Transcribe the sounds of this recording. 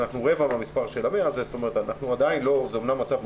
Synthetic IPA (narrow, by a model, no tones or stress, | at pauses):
naχnuʁe̞vamamispaʁʃe̞lameazezot̪o̞me̞ʁet̪anaχnuad̪ainlo̞zeomnamːat͡sav